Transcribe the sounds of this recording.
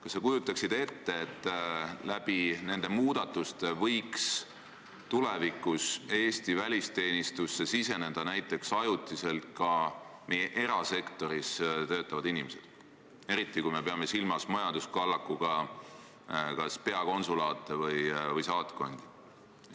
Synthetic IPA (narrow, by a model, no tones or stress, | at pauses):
kɑsːekujut̪ːˑɑksid̪̥e̞t̪ːe̞ːt̪ːˑlæb̥ine̞nd̪̥e̞muːd̪̥ɑt̪ːˑust̪evɤ̞jks | t̪ulevikːuse̞ːst̪ivælʲist̪e̞ːnʲist̪usːe̞sise̞ne̞d̪̥ɑnæjt̪ːˑe̞ksɑjut̪ːˑise̞lt̪̚kɑme̞jeʔe̞ɾɑse̞kt̪o̞ɾist̪ø̞ːt̪ˑːɑvɑd̪inimese̞d̪̥ | e̞ɾit̪ˑːikujme̞pe̞ɑme̞silmɑsmɑjɑnd̪̥uskɑlːɑkːˑuɡ̥ɑ | kɑspe̞ɑko̞nsulɑːt̪ːˑevɤjvɤjsɑːt̪ko̞nd̪̥i̥